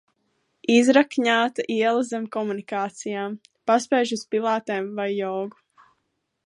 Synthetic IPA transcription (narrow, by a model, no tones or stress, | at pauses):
izɾakɲaːt̪aʔiɛlˠazɛmkɔmunikaːt̪sijaːm | paspɛːʒuspilˠaːt̪ɛːmvajːɔːɡu̥